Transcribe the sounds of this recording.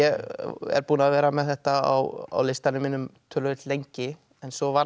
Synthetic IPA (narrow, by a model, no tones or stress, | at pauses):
ɛɣɛ̰ɾpuːnaðvɛːɾamɛðθɛht̪aa̰wa̰wlejst̪anʏmːiːnʏmt̪ʰœːlœɪt̪lejɲcɪ | ɛnsɔvaɾ